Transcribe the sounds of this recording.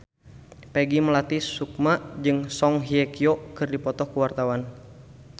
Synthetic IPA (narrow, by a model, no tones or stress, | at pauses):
pɛɡimlat̪isuk̚mad͡ʒɨŋsɔŋɦiɛkiɔkɨrdipɔt̪ɔhkuwart̪awan